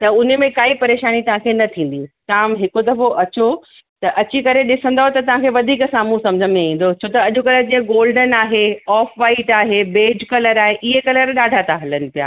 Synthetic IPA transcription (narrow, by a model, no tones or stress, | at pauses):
t̪ɐʊnemẽkaːipɐɾeːʃaːnit̪ɐʋ̤ãkʰenɐt̪ʰĩːn̆d̪it̪ãːmɦɪkod̪ɐfoʔɐt͡ɕo | t̪ɐʔɐt͡ɕikɐɾeɗɪsə̃nd̪aːɦot̪ɐt̪ɐʋ̤ãkʰeʋɐd̪ʱiːksaːmũsɐ̃md͡ʑʱənẽĩːn̆d̪ot͡ɕʰoːt̪ɐɐʄokɐləɾd͡ʑĩːə̃ɡoːlɖənaːɦeɔːfʋaːiʈaːɦebeːd͡ʑkɐləɾaːɦeʔɪɦekɐləɾɗaːɖʱat̪ʰaɦɐlənɪ̆pija̰ː